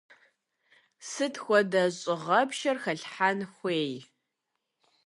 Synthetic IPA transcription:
sɨtʰxʷɔdɐɕʼɪʁɐpʃɐrxɐɬħanxʷeːj

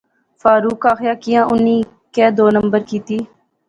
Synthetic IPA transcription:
fʰaːɾuːkaːxjaːkɪjãːʔʊnːiː | keːd̪oːnəmbəɾkiːt̪iː

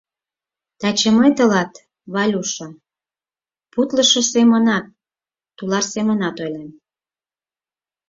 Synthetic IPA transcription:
t̪ɑt͡ɕəmɤjt̪ə̆lɑt̪ | βɑlʲuʃɤ | put̪ləʃɤsemənɑt̪ː | ulɑʃsemənɑt̪ojlem

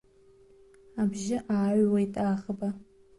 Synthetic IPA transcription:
abʒɪʔaːʕwaitʼaːχəba

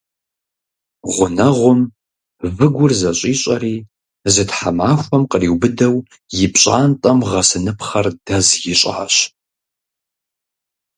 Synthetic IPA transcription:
ʁʷʊnɐʁʷʊm | vɨɡʷʊrzɐɕʼiːɕʼɐɾiː | zɨtħamaːxʷɔmqəriːwbɨdɐw | jɪpɕʼaːntʼɐmʁɐsɨnɨpχɐrdɐzjɪɕʼaːɕ

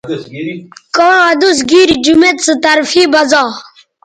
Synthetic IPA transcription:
kɔ̃ɐd̪us̬ɡiɾd͡ʒumet̪t͡sət̪ɐɾfiːbɐzaː

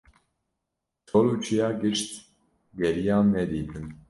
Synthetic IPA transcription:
tʰoluːt͡ʃʰijɑːɡɨʃt̪ | ɡɛɾijɑːnːɛd̪iːt̪ʰɨm

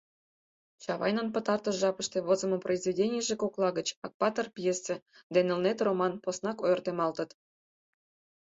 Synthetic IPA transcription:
t͡ɕɑβɑ̰jnə̆npɤ̆t̪ɑrt̪ɤ̆ʒɑpə̆ʃt̪eβozə̆mŏproizvʲedʲenʲijəʒekoklˠɑɡə̆t͡ɕɑk̚pɑt̪ɤ̆rpʲjesĕd̪enɘ̆lnet̪romɑnposnɑkojɤ̆rt̪emɑlˠt̪ɤ̆t̪

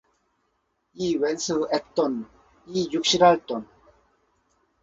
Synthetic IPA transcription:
iːwensɨɛt̪ːon | iːjukʃiɾalt̪on

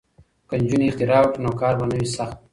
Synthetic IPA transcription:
kanʲd͡ʒuniχt̪ɪɾaːwʈnoːkɑːɾbanəwisaxt̪̚

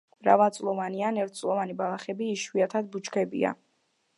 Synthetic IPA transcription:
b̥ɾa̰valˠt̪sʼlˠɔvanianɛɾt̪ʰt̪sʼlˠɔvanibalˠaχɛbiːʃwiat̪ʰad̪̚but͡ʃkʰɛbḭa̰

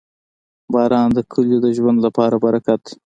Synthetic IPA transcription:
bɑːɾɑːnd̪əkʰʊljod̪əʒwand̪lapɑɾabaɾakat̪

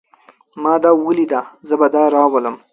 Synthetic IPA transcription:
mɑːd̪ɑwəlid̪azəbad̪ɑɾɑwaləm

